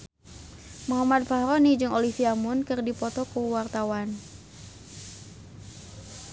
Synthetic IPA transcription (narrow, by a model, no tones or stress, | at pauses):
muɦamat̪̚fahɾɔnid͡ʒɨŋolifiamʊnkɨrdipɔt̪ɔkuwart̪awan